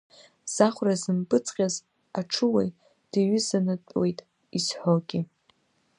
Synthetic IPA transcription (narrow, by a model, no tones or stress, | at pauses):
z̥aχʷrazɨmbʼɨt͡sʼqʲʼaz | aʈ͡ʂʰɨwa̰j | d̥aɥʏzanɨtʼwejtʼ | isħʷoɡʲɪ